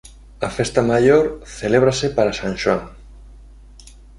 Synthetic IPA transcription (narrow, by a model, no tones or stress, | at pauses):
afest̪amaʎoɾθeleβ̞ɾasepaɾasãnʃwaŋ